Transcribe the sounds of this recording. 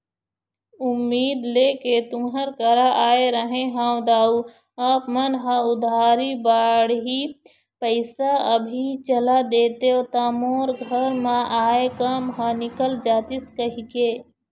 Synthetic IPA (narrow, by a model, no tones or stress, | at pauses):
ʊmːiːd̪leːket̪ʊmɦəɾkəɾaʔaːeɾəɦẽɦãːw̃d̪aːu | apmənɦəʊd̪ʱaːɾibaːɽɦi | pəɪsaəbʱit͡ʃəlad̪eːt̪eot̪amoːɾɡʱəɾmãʔaːekəmɦənɪkəld͡ʒaːt̪ɪskəɦikeː